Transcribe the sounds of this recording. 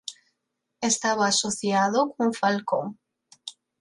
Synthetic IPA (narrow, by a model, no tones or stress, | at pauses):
est̪aβaasoθjaðokouŋfalkoŋ